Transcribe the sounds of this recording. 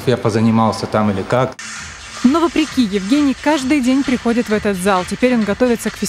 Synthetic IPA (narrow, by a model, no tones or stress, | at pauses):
japəzənʲɪmalˠsʲət̪amɨlʲɪkak | novəpɾʲɪkʲijɪvɡʲenʲɪjkaʐd̪ɨjdʲenʲpɾʲɪxo̞dʲɪt̪vɛt̪ət̪zalˠtʲɪpʲeɾʲo̞nɡɐt̪o̞vʲɪt̪səkfʲɪ